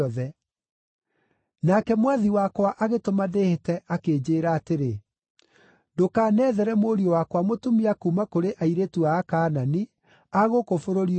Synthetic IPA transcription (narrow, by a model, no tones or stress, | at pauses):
ðɛ | nakɛmwaðiwakwaʔaɣetomadehetɛʔakeːd͡ʑeːɾaːteɾe | ndokaːnɛːðɛɾɛmoːɾiɔwakwamotumiakumakoɾeʔaiɾetuaːkaːnani | aɣokofoɾoɾi